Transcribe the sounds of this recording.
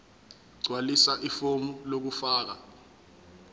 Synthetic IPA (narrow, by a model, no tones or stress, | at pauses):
ǀwalisaʔifomulok̬ufaːk̬a̰